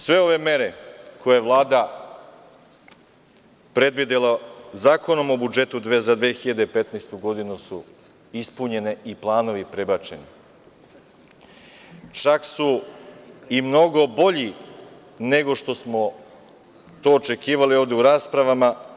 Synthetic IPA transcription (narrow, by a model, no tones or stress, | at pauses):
sʋe̞o̞ʋe̞me̞ɾe̞ko̞jeeʋlˠaːd̪a | pɾe̞d̪ʋid̪elˠazaːko̞no̞mo̞bud͡ʒe̞t̪ud̪ʋezad̪ʋeːxiʎad̪e̞pe̞t̪naːst̪uɡo̞d̪inusu | ispuɲe̞ne̞ʔiplˠaːno̞ʋipɾebat͡ʃe̞ni | t͡ʃaksu | imno̞ɡo̞bo̞ʎi | ne̞ɡo̞ʃt̪o̞smo̞ | t̪o̞ːt͡ʃe̞kiːʋalio̞ːvd̪euɾaːspɾaʋama